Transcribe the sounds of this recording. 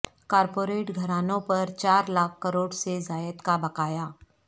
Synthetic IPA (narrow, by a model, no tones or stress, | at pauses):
kaːɾpoːɾeːʈɡʱɐɾaːnõpɐɾt͡ʃaːɾlaːk̚ʰkɐɾoːɽsezaːjət̪kabɐkaːjaː